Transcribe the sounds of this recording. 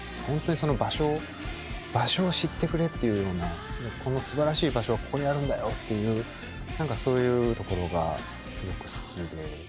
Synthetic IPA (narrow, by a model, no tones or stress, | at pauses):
hõnt̪o̞ɲiso̞no̞baɕo̞ː | b̥aɕo̞ːɕit̪ːe̞kɯ̟ɾe̞t̪ːe̞jɯ̟jo̞ːnanekʰo̞no̞sɨbaɾaɕiːbaɕo̞βakʰo̞ːɾejaɾɯ̟̃nd̪ajo̞t̪ːe̞jɯ̟ː | nãŋkaso̞ːjɯ̟ːt̪o̞ko̞ɾo̞ɡa̰ | sɨɡo̞kɯ̟̥sɨ̥kʲid̪e̞